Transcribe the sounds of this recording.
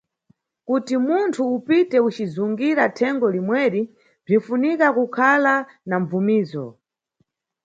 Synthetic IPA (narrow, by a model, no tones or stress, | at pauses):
kutimuntʰuːpitɛut͡ʃizuŋɡiɾatʰɛŋɡɔlimwɛɾi | b͡ʐinfunikakukʰala | naɱb͡vumiːzɔ̰